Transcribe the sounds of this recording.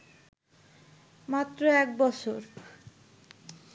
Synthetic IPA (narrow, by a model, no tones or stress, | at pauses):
mat̪ːɾoɛk̚bɔt͡ɕʰoɾ